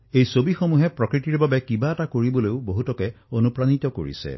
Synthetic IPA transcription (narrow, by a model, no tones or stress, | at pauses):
ejsobixomuɦɛpɹɔkɹitiɹbabɛkibaɛtakoɹiboleʊboɦutɔkɛonupɹanit̪ɔko̰ɹḭsɛ̰